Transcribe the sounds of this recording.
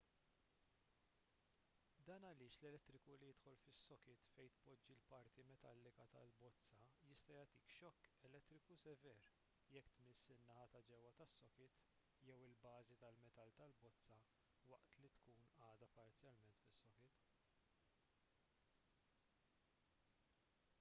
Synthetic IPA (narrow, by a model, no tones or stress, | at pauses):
d̪ɐːnɐlɪːʃlɛlɛt̪ːɾɪkulijɪt̪ħɔlfɪsːɔkɪt̪fɛjt̪pɔd͡ʒːilpɐɾt̪imɛt̪ɐlːɪkɐt̪ɐ̰lbɔt͡sːɐjɪst̪ɐjɐt̪iːkʃɔkːɛlɛt̪ːɾɪkusɛvɛːɾ | jɛkːt̪mɪsːɪnːɐhɐt̪ɐd͡ʒɛwɐt̪ɐsːɔkɪt̪ | jɛwɪlbɐːzit̪ɐlmɛt̪ɐlt̪ɐlbɔt͡sːɐ | wɐʔt̪lit̪kuːnɐːd̪ɐpɐɾt͡sjɐlmɛnt̪fɪsːɔkɪt̪